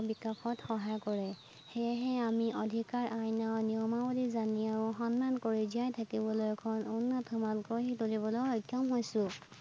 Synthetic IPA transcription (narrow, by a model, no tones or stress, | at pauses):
bikapʰɔtxɔɦajkɔɹɛ | heɦɛamiʔɔdʱikaɹʔajnawniɔmabodizaniaɹũxɔnːankoɹiziajtʰakibɔlojɛkʰɔnunːɔtʰɔmalkɔɦitolibɔloɔjkːɔmɦojsʊ̃